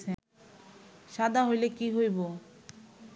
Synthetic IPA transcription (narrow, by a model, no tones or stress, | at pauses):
e | ʃad̪ʱaɦojlekiɦojbo